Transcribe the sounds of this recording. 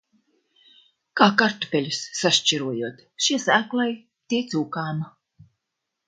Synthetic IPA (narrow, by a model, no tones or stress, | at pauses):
kaːkaɾt̪u̥pʲɛlʲusːaʃt͡ʃiɾuɔjuɔt̪ | ʃiɛsæːklˠaj | t̪ʲiɛt̪suːkaːma